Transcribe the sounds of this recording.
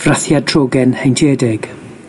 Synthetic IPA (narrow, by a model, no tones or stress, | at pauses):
v̥raθjadʰrɔːɡɛnhejntʰɛːdɪɡ̥